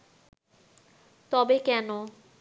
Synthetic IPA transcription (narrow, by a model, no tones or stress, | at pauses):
t̪ɔbekɛno